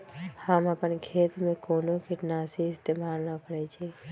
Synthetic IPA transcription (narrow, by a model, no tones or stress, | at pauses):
həməpənkʰeːt̪mẽkoːnokɪʈnaːsiɪst̪eːmaːlnapəɾɛt͡ʃʰeː